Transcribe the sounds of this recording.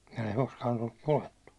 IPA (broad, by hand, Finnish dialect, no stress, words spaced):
kun ei koskɑːn olːuk koetːu